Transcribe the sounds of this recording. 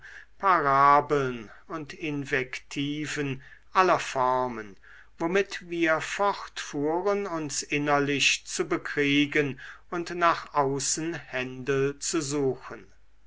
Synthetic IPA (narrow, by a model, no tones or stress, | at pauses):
pʰaʁaːbl̩n | ʊntɪnvɛktʰiːvən | ʔalɐfɔʁmən | vomɪtviːɐfɔʁtfuːʁənʊnsʔɪnɐlɪɕt͡subəkʁ̥iːɡənʊntnaːχʔaʊsən̩hɛndət͡suzuːxən